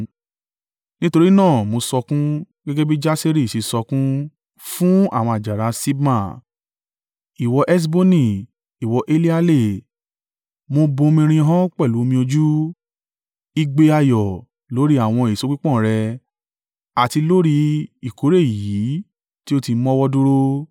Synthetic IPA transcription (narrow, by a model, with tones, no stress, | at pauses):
nĩ˦to˧ɾi˦nãː˦˨mo˧sɔ˧kũ˦ | ɡɛ˦ɡɛ˦bi˦d͡ʒa˦se˦ɾi˦˨ʃi˨˧sɔ˧kũ˦ | fũ˦a˦˨w̃ɔ̃˧a˨d͡ʒa˨ɾa˨˧si˦bmã˦˨ | i˨wɔ˧ʔɛ˦s̬bo˦nĩ˦˨ | i˨wɔ˧ʔe˦li˦a˧le˦˨ | mo˧bõ˧mĩ˧ɾ̃ĩ˧˦ɦã˦k͡pɛ˦˨lu˨˦o˧mĩ˧o˧d͡ʒu˦ | i˧ɡ͡be˧a˧jɔ˨ | lo˨˦ɾi˦a˦˨w̃ɔ̃˧i˨so˨˧k͡pi˦k͡pɔ̃˦˨ɾɛ˧ | a˨ti˧lo˦ɾi˧i˨ko˨˦ɾe˦˨i˨ji˨˦ | ti˦o˦ti˧mɔ̃˦wɔ˦du˦ɾo˧